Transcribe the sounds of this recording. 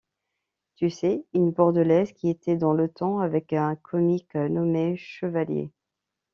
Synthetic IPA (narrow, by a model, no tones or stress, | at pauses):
t̪ysɛynbɔʁd̪əlɛzkʲiet̪ɛd̪ɑ̃lət̪ɑ̃avɛkɛ̃kʰɔmiknɔmeʃəvaljḛ